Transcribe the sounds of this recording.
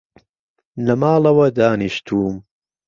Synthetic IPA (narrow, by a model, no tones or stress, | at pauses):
lɐmaːlɐwɐd̪aːniʃt̪ʰuːm